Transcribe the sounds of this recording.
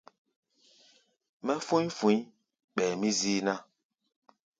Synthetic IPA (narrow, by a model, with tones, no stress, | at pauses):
mɛ˦fu˦ɲ˦fu˨˦ | ɓɛː˨mi˦ziː˦na˦